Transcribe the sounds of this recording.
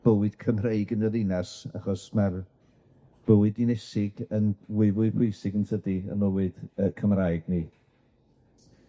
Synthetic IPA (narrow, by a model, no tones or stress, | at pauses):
b̥əwɨd̥kʰəmreɨɡənəðɪnasa̰χɔsmar | b̥əwɨdinɛsɪɡənwɪvʊɨpʊjsɪɡənsʰədiə̰nəwɨd̥əkʰəmrajɡni